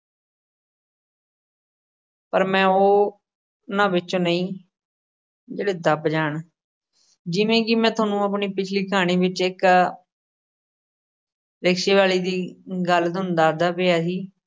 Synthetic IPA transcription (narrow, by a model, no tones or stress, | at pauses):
pəɾmɛ̃ːoː | nãːʋɪt͡ʃõːnəĩː | d͡ʒeːɽeːd̪əbd͡ʒaːɳ | d͡ʒɪʋẽːkɪmɛ̃ːt̪ʰaːnũːəp̬ɳiːpɪt͡ʃʰliːkʰaːɽ̃iːʋɪt͡ʃɪk | ɾɪkʃeːʋaːliːd̪iːɡəld̪ʊnd̪aːɾd̪aːpeːaːɦiː